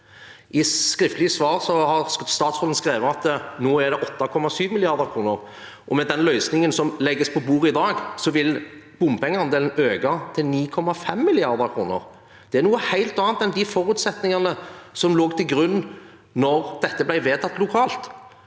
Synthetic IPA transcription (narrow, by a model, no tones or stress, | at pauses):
ʔɪskɾɪft̪əlɪəsʋɑːʁsɔhɑʁst̪ɑːt̪sɔn̩skɾeːʋəɑt̪noːæʁɖ̪ɛʔɔt̪ːɑkʰɔmːɑsyːʋmɪlɪɑɾd̪əʁkʰɾuːnəʁ | ʔɔmɛd̪ɛnlœʏsnɪŋənsɔmlɛɡːəspʰɔbuːɾəɪd̪ɑːɡsɔʋɪl | b̥ʊmpʰɛŋːəɑnd̪eːlən̩øːɡɑt̪ʰɪlniːkʰɔmːɑfɛmːɪlɪɑɾd̪əʁkʰɾuːnə̰ʁ | d̪̥ɛæɾnuːəhæɪlt̪ɑːɑnt̪ɛnd̪ɪfɔɾʉːt̪sɛt̪nɪŋɑnəsɔmloːɡt̪ʰɪlɡɾʉn | nɔʁd̪̥ɛt̪ːəblæɪʋeːt̪ʰɑt̪ːlʊkʰɑːlt̪